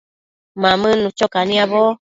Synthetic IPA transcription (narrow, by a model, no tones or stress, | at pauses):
mãmɨnũt͡ʃokanĩaβo